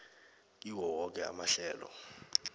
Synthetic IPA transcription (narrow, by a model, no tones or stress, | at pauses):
iwɔwɔk̬ʼɛa̰maɬɛːlɔ̰